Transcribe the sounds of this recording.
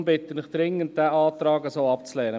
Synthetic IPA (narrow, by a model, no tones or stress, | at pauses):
mbɪt̪ənɪχd̥̪ɾɪŋənt̚d̪̥æːʔɑːt̪ɾɑːɡəsoːɑpt͡slɛːɾə